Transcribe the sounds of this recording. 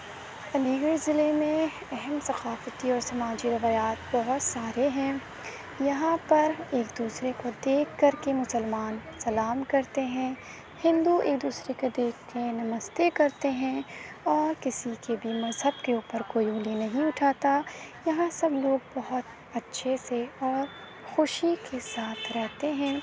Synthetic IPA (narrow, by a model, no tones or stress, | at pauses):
ɐliːɡəɾzɪlemẽ | ɛɦɛmsɐqaːfət̪iɔːɾsɐmaːd͡ʒiɾɐʋaːjaːt̪̚bɐɦʊt̪saːɾeɦɛ̃ː | jɐɦãpɐɾeːkd̪uːsɾekod̪eːkʰːɐɾkemʊsəlmaːnsɐlaːmkɐɾt̪eɦɛ̃ | hɪ̃nd̪ueːk̚d̪uːsɾekod̪eːkʰːenɐməst̪ekɐɾt̪eɦɛ̃ | ɔːɾkɪsikebʱimɐzɦəbkeuːpəɾkoːiuːlinɐɦĩʊʈʰaːt̪ajɐɦãsɐbloːɡ̚bɐɦʊt̪ | ɐtːʃʰeseɔːɾ | xʊʃikesaːt̪ʰɾɛɦt̪eɦɛ̃ː